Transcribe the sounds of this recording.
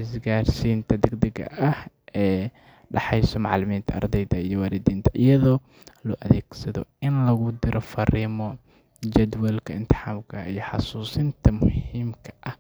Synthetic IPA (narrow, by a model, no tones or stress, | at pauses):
ʔɪsɡaːrsiːnt̪ʰɐd̪ɛɡd̪ɛɡɐ̰ʔɐhɛː | ɖɑħɑjsɔmɑʕlɪmiːnt̪ʰɐɐ̰rd̪ɛjðɐijɔwɑːɾɪd̪iːnt̪ʰɐʔɪjɐðɔː | lɔːʔɐðɛːɡsɐðɔ̰ɪnlɐɣʊd̪ɪɾʔɔfɐɾiːmɔ | d͡ʒɐd̪wɛlkʰɐɪnt̪ʰɪ̥ħaːmkʰɐijɞħɑ̰suːsɪnt̪ʰɐmʊhiːmkʰɐʔɐh